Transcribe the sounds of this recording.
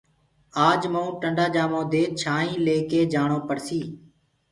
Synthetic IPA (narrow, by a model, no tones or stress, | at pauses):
aːd͡ʒməũːʈəɳɖaːd͡ʒaːmõːd̪eːt͡ʃʰaːĩːleːkeːd͡ʒaːɳõːpəɽsiː